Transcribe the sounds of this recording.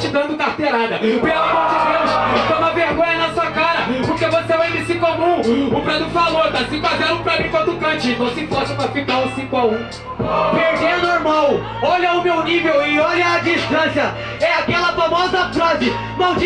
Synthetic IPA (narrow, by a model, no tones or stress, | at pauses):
t͡ʃɪd̪ɐ̃d̪ʊkaht̪eɾad̪ɐpalɐkõsivẽʃt̪õmɐveɾɡõɲɐnɐsuɐkaɾɐpoɾkevoseẽj̃d̪isĩkʊamũʊpɾad̪ʊfalot̪asĩkazeɾũpɾad̪ĩkod̪ʊkɐ̃t͡ʃɪvõsipɔsũmɐfit̪alʊ̃sĩkʊaũ | peɾd̪eɐnoɾmaw | ɔʎɐʊmewnivewɪɔʎɐːd͡ʒiʃt̪ɐ̃sjɐ | ɛakɛlɐfamɔzɐfɾɔzɪ | mawd͡ʒi